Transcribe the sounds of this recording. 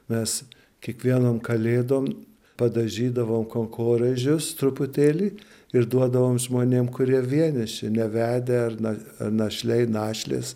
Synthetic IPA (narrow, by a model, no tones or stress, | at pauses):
mʲɛs | kʲiɛkʋʲiɛnoːmkɐlʲeːd̪oːm | pɐd̪ɐʒʲiːd̪ɐʋoːmkoːŋkʰoːɾɐʒʲʊst̪ɾʊpʊt̪ʲeːlʲiː | ɪɾd̪uɔd̪ɐʋoːmʒmoːnʲeːmkʊɾʲiɛʋʲiɛnʲɪʃʲɪnʲɛʋʲæːd̪ʲeɐrnɐɐnɐʃʲlʲɛɪnɑːʃʲlʲḛːs